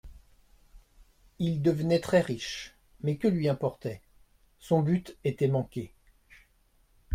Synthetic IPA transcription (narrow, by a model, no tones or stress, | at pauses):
ild̪əvənɛt̪χɛʁiʃ | mɛkəlɥiɛ̃pɔʁt̪ɛ | sɔ̃byt̪et̪ɛmɑ̃kʲe